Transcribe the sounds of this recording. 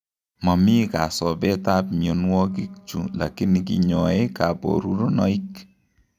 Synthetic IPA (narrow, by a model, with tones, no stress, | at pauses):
mɔ˨mi˦ka˨sɔ˨bɛ˦ta˦pmjo˨nwɔ˦k̬i˦k̚t͡ʃṵ˨la̰˨ki˦nikḭ˨ɲɔ˨e˦ka˨bo̰˨ɾu˨ɾo˦nɔ̰˦i˦k